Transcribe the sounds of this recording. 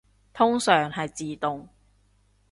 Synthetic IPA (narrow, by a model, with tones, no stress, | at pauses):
t̪ʰʊ˥ŋsœː˨˩ŋhɐ˨jt͡siː˨t̪ʊ˨ŋ